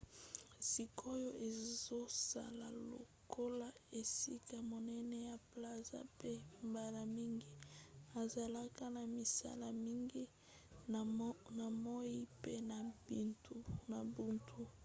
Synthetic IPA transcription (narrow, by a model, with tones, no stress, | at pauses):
si˨ko˦jo˦ʔe˨zo˦sa̰˨la˨lo̰˨ | ko˦la˦e˨si˦ka˨mo˨nɛ˦nɛ˦ja˨pla˦˨za̰˦pe˦mba˨la˨mi˦ŋɡi˦a˨za˨la˦ka˦na˨mi˨sa̰˦la˨mi˦ŋɡi˦˨ | na˨mo˦i˦pe˦na˨bi˨ntʰu˦na˨bu˦ntʰu˦